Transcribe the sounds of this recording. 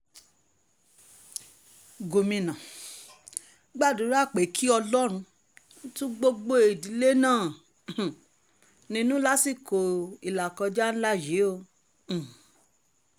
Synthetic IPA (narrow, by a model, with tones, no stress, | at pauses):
ɡo˨mĩ˨nã˨ | ɡ͡ba˦˨du˨˦ɾa˦˨k͡pe˨˦kʰi˦ɔ˧lɔ˦ɾ̃ũ˧˦ | tũ˦ɡ͡bo˧ɡ͡bo˦e˨di˨˦le˦nãː˦˨ | nĩ˧˦nũ˦la˦si˦˨ko˨i˨la˨kɔ˧d͡ʒa˦ñ̩˦la˦je˨˦õ˧˨